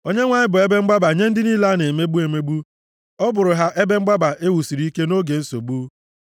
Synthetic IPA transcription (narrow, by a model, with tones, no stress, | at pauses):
o˦ɲe˦ŋʷa˨ɲɪ˦bʊ˨e˦be˦ŋ͡m̩˦ɡ͡ba˦ba˨ɲe˦n̩˦dɪ˦ni˦la˦ne˨me˦bu˦e˨me˦bu˦ | ɔ˦bʊ˨ɾʊ˨ɦa˦ʔe˦be˦ŋ͡m̩˦ɡ͡ba˦ba˨ʔe˦wu˨si˨ɾi˦i˦ke˦no˦ɡe˨n̩˦so˨bu˦